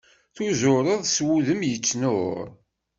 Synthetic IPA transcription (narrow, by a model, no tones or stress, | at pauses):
θuzʊɾˤəðˤswuðəmjət͡sːnʊɾ